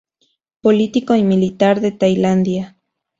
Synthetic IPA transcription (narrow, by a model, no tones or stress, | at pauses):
polit̪ikoimilit̪aɾðet̪ajland̪ja